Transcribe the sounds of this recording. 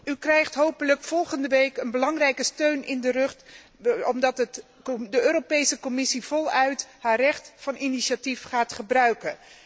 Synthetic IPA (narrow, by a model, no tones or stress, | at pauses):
ykrɛjχtɦowpələkfɔlˠχəndəʋejkənbəlɑŋrɛjkəstøɥnɪndərɵχt | ɔmdɑtət | dəøːɾopejsəkɔmɪsiv̥ɔlˠœɥtɦaːrɛχtfɑniniʃatifχaːtχəbrœɥkən